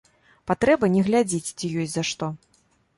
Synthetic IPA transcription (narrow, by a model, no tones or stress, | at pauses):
pat̪ɾɛbɐnʲɛɣlʲad͡zʲet͡sʲt͡sʲijɔsʲzaʂt̪ɔ